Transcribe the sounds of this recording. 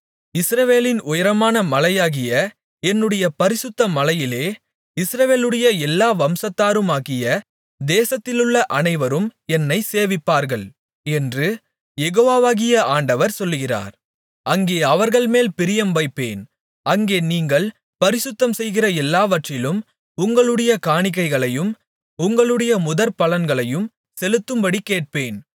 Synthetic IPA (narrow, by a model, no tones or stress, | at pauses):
ɪsɾɐʋeːlɪnʊjɐɾɐmaːnɐmɐlɐjaːɣɪjɐ | ɛnːɯɽɐjɐpɐɾɪsʊt̪ːɐmɐlɐjɪleː | ɪsɾɐʋeːlɯɽɐjɐɛlːaːʋɐmsɐt̪ːaːɾɯmaːɣɪjɐ | d̪eːsɐt̪ːɪlɯɭːɐʔɐnɐɪʋɐɾɯmɛnːɐɪseːʋɪpːaːɾɣɐɭ | ɛndrɯ | jɛɣoːʋaːʋaːɣɪjɐaːɳɖɐʋɐɾsɔlːɣɪra̰ːɾ | ʔɐŋɡeːɐʋɐɾɣɐɭmeːlpɪɾɪjɐmʋɐɪpːḛːn | ɐŋɡeːniːŋɡɐɭ | pɐɾɪsɯt̪ːɐmsɛjɣɪrɐɛlːaːʋɐʈrɪlɯm | ʊŋɡɐɭɯɽɐjɐkaːɳɪkːɐɪɣɐɭɐjɯm | ʊŋɡɐɭɯɽɐjɐmʊðɐɾpɐlɐnɡɐɭɐjɯm | sɛlɯt̪ːɯmbɐɽikːeːʈ̚peːn